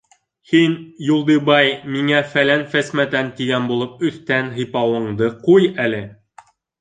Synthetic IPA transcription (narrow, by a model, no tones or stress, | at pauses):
hinjulˠd̪ɤbɑjmiŋæfælænfæsmæt̪ænt̪iɡænbulˠɤp̚ɵ̆θt̪ænɦɤ̆jpɑwɤ̆ɴd̪ɤqujælɘ